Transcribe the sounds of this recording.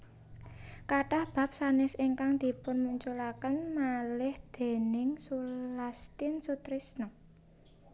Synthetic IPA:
kaʈahb̥a̤p̚sanɪsiŋkaŋd̪̥i̤pʊnmuɲt͡ʃulakənmalɪhd̪̥e̤nɪŋsulast̪ɪnsut̪ɾisnɔ

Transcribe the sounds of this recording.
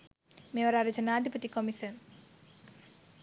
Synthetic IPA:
meʋɐɾaːɾɐt͡ɕɐnaːd̪ʱipɐt̪ikomisɐn

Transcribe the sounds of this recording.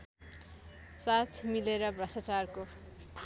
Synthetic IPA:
sat̪ʰmileɾʌbrʌsat͡sarko

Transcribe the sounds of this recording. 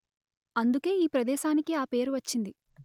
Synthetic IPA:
ɐnd̪uke̞ːiːpɾɐd̪ɛːʃaːnikiaːpe̞ːɾuʋɐt͡ʃːind̪i

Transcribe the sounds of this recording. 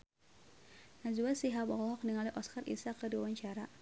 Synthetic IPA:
nazuasiɦabɔlɔk̚niŋaliʔɔskarʔḭsakədiwawaɲt͡ʃaɾa

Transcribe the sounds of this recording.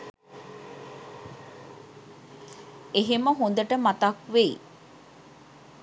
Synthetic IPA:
eɦeməɦond̪əʈəmat̪akʋej

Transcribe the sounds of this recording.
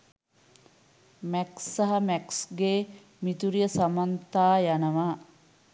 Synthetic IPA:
mɛksːaɦɐmɛksɡeː | mit̪uɾijəsamant̪aːjanəʋaː

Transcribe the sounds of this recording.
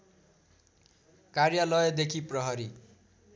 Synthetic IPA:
karjalʌjʌd̪ekʰiprʌɦʌɾi

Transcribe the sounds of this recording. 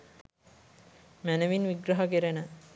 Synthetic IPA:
mænəʋinʋiɡɾɐɦɐkeɾenə

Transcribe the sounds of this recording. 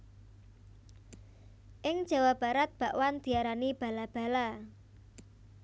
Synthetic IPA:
ʔɪŋ̥ʒ̥a̤wab̥a̤ɾat̪̚b̥a̤ʔwand̪̥i̤aɾanib̥a̤lab̥a̤la

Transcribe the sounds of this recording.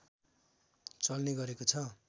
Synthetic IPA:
t͡sʌlneɡʌɾekot͡sʰʌ

